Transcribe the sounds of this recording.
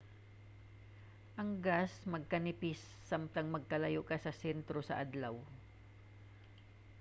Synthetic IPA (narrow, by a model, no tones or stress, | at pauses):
ʔɐŋɡasmɐɡ̚kɐnɪpɪsːamt̪ɐŋmɐɡ̚kɐlɐjoʔkɐsɐsɛnt̪ɾosɐʔɐd̪law